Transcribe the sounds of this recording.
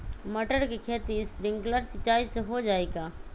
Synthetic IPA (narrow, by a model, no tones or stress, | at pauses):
məʈəɾkekʰeːt̪iɪspɾɪ̃ŋɡkləɾsɪt͡ʃːaːiseɦod͡ʒaːeːɡaː